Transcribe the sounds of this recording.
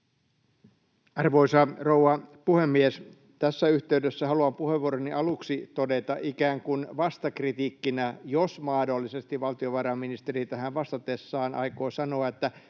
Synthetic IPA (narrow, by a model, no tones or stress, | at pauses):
ɑrʋoisɑrouɑpuhemːies | t̪æsːæyht̪eydøsːæhɑluɑmpuheʋːoːɾoniʔɑluksit̪odet̪ɑʔikæːŋkunʋɑst̪ɑkrit̪iːkːinæjosmɑːdolːisest̪iʋʋɑlt̪ioʋɑrɑmːinist̪erit̪æhæʋʋɑst̪ɑt̪esːɑːnʔɑ̰ikoːsɑnoɑet̪ːæ